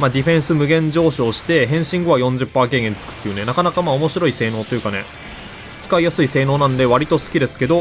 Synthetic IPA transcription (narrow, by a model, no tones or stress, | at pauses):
mad̪ʲiɸẽ̞ɰ̃sɨmɯ̟ɡẽ̞ɲd͡ʑo̞ːɕiːɕi̥t̪e̞ɦẽ̞ɰ̃ɕĩŋɡo̞βajõ̞ɲ̟d͡ʑɨpːaːke̞ːɡẽ̞nt͡sɨ̥kɯ̟̥t̪ːe̞jɯ̟ne̞nakanakamaːomo̞ɕiɾo̞ise̞ːno̞ːt̪o̞jɯ̟kane̞̰ | t͡sɨ̥kaijasɨise̞ːno̞ːnãnd̪e̞βaɾʲit̪o̞sɨ̥kʲid̪e̞sɨ̥ke̞d̪o̞